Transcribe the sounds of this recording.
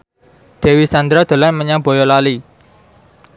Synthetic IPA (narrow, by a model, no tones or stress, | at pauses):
ɖ̪̥e̤wisand̪ɾad̪̥o̤lanməɲab̥o̤jɔlali